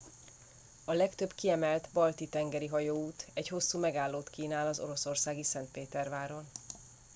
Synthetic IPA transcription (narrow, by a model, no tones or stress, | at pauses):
ɒlɛkt̪ø̞bkiɛmɛlt̪bɒlt̪it̪ɛŋɡɛɾiɦɒjoːuːt̪ɛɟho̞sːuːmɛɡaːlːoːt̪kiːnaːlɒzo̞̰ɾo̞so̞rsaːɡisɛnt̪̚peːt̪ɛrvaːɾo̞n